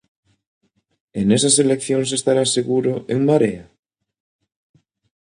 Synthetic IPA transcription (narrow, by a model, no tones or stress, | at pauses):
enesaselekθjoŋs̬est̪aɾaseɣuɾʊʔeŋmaɾea